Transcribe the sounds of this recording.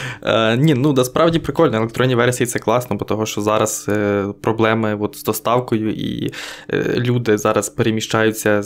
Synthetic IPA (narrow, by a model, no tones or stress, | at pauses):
ə̰nʲinud̪ɐspɾɑʋdʲipɾɪkɔlʲnɔelˠekt̪ɾɔnʲːiʋɛrsʲijit̪sɛklˠɑsnɔbɔt̪ɔɦɔʃt͡ʃɔzɑɾɐz̥pɾɔblˠɛmɪɔt̪z̥d̪ɔst̪ɑwkɔjʊʔḭ | lʲud̪ɪzɑɾɐzpeɾemʲiʃt͡ʃɑjʊt͡sʲːɐ